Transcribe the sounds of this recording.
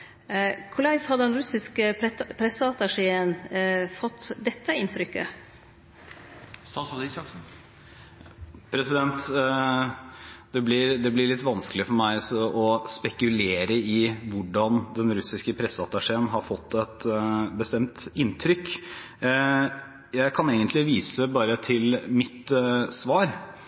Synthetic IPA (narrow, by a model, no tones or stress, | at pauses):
kʰʊlɑɪshɑd̪əd̪ɛnɾʉsɪskəpʰɾɛsəɑt̪ɑʂeːənfɔt̪ːd̪ɛt̪ːəɪnt̪ʰɾʏkːə̰ | st̪ɑnsɔd̪ɪsɑks̩ | pʰɾɛsɪd̪ɛnt̪ | d̪̥ɛblɪɾd̪ɛblɪɭɪt̪ːʋɑnskəlɪfɔɾmæɪsɔʔɔspɛkʉleːɾəɪʋʊɖɑnd̪ɛnɾʉsɪskəpʰɾɛsːəɑt̪ɑʂeːənɦɑɾfɔt̪ʰːɛt̪bəst̪ɛmt̪ɪnt̪ʰɾʏk | jæɪkʰɑneːɡənt̪lɪʋiːsəbɑːɾət̪ʰɪlmɪt̪sʋɑːɾ